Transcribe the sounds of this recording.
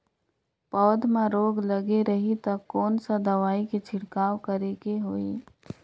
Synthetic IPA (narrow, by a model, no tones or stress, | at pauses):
pɔːd̪mãɾoːɡləɡeɾəɦit̪ɐkːɔːnsad̪ɐʋaːiket͡ʃʰɪɽkaːwkəɾeːkeɦoːiː